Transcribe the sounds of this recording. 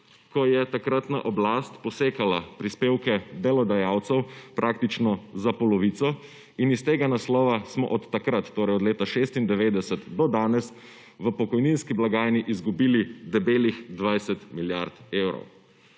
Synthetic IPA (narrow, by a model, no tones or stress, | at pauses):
kɔjɛt̪akɾat̪naʔɔblast̪pɔseːkalapɾispeːwkɛd̪ɛlɔd̪ajawt̪sɛwpɾʔak̚t̪it͡ʃnɔzapɔlɔʋit̪sɔ | inist̪eːɡanaslɔːʋasmɔ̰ʔɔt̪ːakɾat̪ːoːɾɛjɔd̪leːt̪aʃeːst̪ind̪ɛʋeːd̪ɛsɛt̪d̪ɔd̪aːnɛs | ʋəpɔkɔjninskiblaɡaːjniʔizɡubiːlid̪ɛbeːlixd̪ʋajsɛt̪miljaɾt̪eːwɾɔ̰w